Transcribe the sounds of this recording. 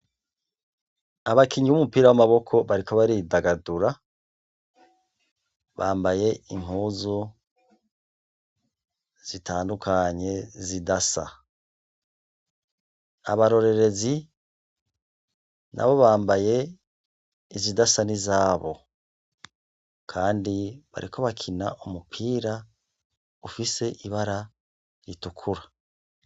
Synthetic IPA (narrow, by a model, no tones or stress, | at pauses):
aβakʰiɲiβumupiːɾawamaβo̞kʰo̞βaɾikʰoβaɾidaɡaduɾa | βaːmbaje̞iŋ̥uːzu | z̥itʰaːndukʰaɲe̞zidasa̰ | a̰βaɾo̞ɾe̞ɾe̞zi | nʔa̰βo̞βaːmbaje̞ | izidasanizaːβo̞̰ | kʰaːndiβa̰ɾikʰo̞βakʰina̰ʔumupʰiːɾa | ufise̞ʔiβaɾa | ɾitukʰuɾa